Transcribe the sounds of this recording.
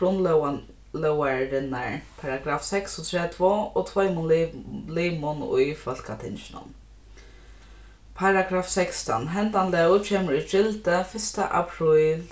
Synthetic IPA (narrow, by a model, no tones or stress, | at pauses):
ɾʊnl | lœwaɾɪnaɹpʰaɾaɡɾaːfsɛksɔt̪ʰɾɛːt̪ʰvoːot̪ʰvɔjmʊnliːmʊnʊ̰jfœl̥kat̪ʰɪ̰nʃɪnʊ̰n | pʰaɾaɡɾaːfsɛkst̪a̰nɦɛnt̪anlɛwt͡ʃʰeːməɾit͡ʃɪlt̪əfɪst̪a̰ʔa̰pʰɾiːl